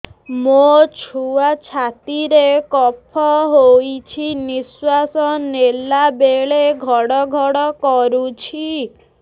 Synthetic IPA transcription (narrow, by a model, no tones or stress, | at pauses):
mot͡ʃʰuat͡ʃʰat̪iɾekɔpʰɔɦojt͡ʃʰiniswasɔnelabeɭeɡʱɔɽɔɡʱɔɽɔkɔɾut͡ʃʰi